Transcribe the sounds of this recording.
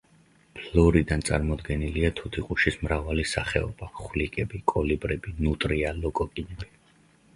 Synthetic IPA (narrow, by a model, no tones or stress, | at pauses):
pʰlɔɾid̪ant̪sʼa̰ɾmɔd̪ɡɛniliat̪ʰut̪ʰiqʼuʃismɾavalisaχɛ̰ɔ̰b̥aχwlikʼɛbikʼɔlibɾɛbinut̪ʼɾialɔkʼɔkʼinɛb̥i